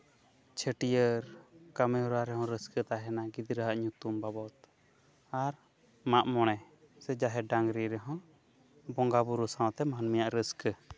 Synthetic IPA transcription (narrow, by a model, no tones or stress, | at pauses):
t͡ʃʰəʈijəɾkamɛuɾaɾɛɦɔ̃ɾəskət̪aɦɛnaɡid̪ɾəɦaʔɲut̪umbabɔt̪ | aɾ | maʔmɔɽ̃ɛ | sɛd͡ʒaɦɛɖaŋɡɾiɾɛɦɔ̃ | bɔŋɡabuɾusaw̃t̪ɛmanmijaʔɾəskə